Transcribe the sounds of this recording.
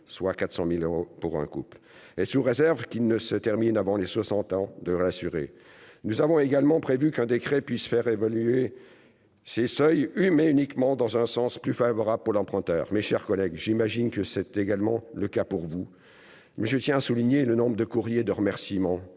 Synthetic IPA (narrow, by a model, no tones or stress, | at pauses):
swakat̪χsɑ̃miløʁopuʁɛ̰̃kupl | esuʁezɛʁvkʲinəsət̪ɛʁminavɑ̃leswasɑ̃t̪ɑ̃d̪əʁeasyʁḛ | nuzavɔ̃eɡalmɑ̃pχevykɛ̃d̪ekχɛpɥisfɛʁevalye | sesœjymeynikmɑ̃d̪ɑ̃zɛ̃sɑ̃splyfavɔʁablpuʁlɑ̃pχɛ̃t̪œ̰ːʁmeʃɛʁkɔlɛɡʒimaʒinkəsɛt̪eɡalmɑ̃ləkapuʁvu | mɛʒət̪jɛ̃asuliɲelənɔ̃bʁəd̪əkuʁjed̪əʁəmɛʁsimɑ̃